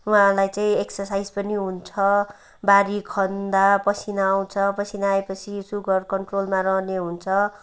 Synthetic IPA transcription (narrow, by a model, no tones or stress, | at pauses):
wãlajt͡saĩeksʌrsajd͡zpʌniɦunt͡sʰʌ | baɾikʰʌnd̪apʌsʰinaw̃t͡sʰʌpʌsʰinaepʌt͡sʰisuɡʌrkʌɳʈrolmaɾʌɦneɦunt͡sʰʌ